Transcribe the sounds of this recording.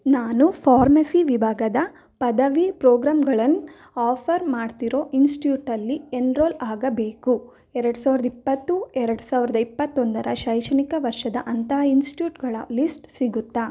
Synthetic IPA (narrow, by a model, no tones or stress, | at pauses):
naːnupʰaːɾmɐsiʋibʱaːɡɐd̪ɐ | pɐd̪ɐʋipɾoːɡɾaːmɡɐɭɐnː | aːpʰɐɾmaːɖt̪iɾo̞ːʔinsʈʈjuːʈɐlːienɾoːlaːɡɐbe̞ːku | ɛɾɐɽusaːʋɾɐd̪ɐipːɐt̪ːuɛɾɐɽusaːʋiɾɐd̪ɐipːɐt̪ːond̪ɐɾɐʃɐjʂɐnikɐʋɐɾʂɐd̪ɐʔɐnt̪ɐɦinsʈi̥ʈjuːʈɡɐɭɐ̰lisʈsiɡut̪ːaː